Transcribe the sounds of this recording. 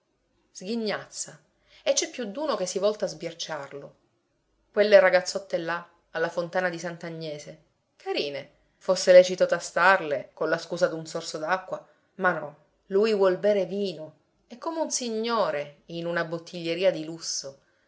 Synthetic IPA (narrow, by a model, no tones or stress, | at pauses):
z̥ɡiɲːat̪sːa | et͡ʃːɛpːjud̪ːuːnokesːivɔlt̪aːzbjat͡ʃːarlo | kwelːeraɡat̪sːɔt̪ːela | alːafont̪aːnad̪isant̪aɲːɛːse | kʰaɾiːne | fosːelɛːt͡ʃit̪ot̪ast̪arlekonlaskuːzad̪unsorsod̪akːwa | manːɔ | lujvwɔlbɛːɾeviːno | ɛkːomeunsiɲːoːɾeinunabot̪ːiʎːeɾiːad̪ilusːo